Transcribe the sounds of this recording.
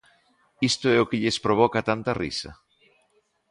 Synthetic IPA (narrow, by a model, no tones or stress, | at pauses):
ist̪ʊɛʊkɪʎɪspɾoβ̞ɔkat̪ant̪ɐrḭsɐ̰